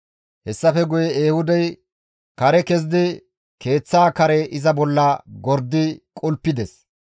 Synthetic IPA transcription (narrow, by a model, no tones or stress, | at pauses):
hɛsːɐfɛɡʊjɛeːhʊd̪ɐj | kɐɾɛkɛz̬d̪ɪ | ke̞ːt͡sːaːkɐɾɛʔɪzɐbɔlːɐɡɔɾd̪ːɪkʼʊlpːɪd̪ɛs